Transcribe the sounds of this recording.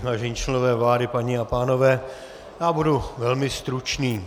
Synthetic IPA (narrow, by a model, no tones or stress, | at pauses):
vaːʒɛɲiːt͡ʃlɛnovɛːvlaːdɪpaɲɪapaːno̞vɛː | jaːbuduvɛlmɪst̪ɾut͡ʃniː